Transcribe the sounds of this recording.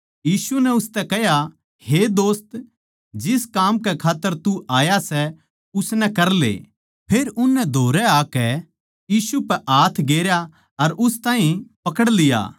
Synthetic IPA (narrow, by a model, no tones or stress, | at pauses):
jiːsunɛʊst̪ɛkɛɦja | hed̪oːst̪ | d͡ʒɪskaːmkɛkʰaːt̪ːəɾt̪uaːjasɛ | ʊsnɛ̃kɐɾlḛː | pʰeːɾʊnːɛd̪ʱoːɾɛaːkɛ | jiːsupɛʔaːt̪ʰɡeːɾja | ɐɾʔʊst̪ãːɦĩpɐkəɽlɪja̰ː